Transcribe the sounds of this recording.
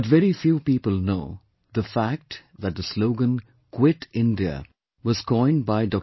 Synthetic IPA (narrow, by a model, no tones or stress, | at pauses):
tʋɛɾifjuːpiːpəlˠnoʊ | ðəfæk̚ʈðæt̚ðəsloʊɡə̃n | kʰwɪʈɪ̃nɖiə̰ | ʋɔz̥kɔ̃ɪ̃n̚baɪɖɔ